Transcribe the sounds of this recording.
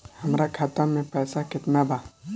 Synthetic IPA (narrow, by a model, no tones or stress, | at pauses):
hɐmɾakʰaːt̪amẽpɛːsakɪt̪nabʱaː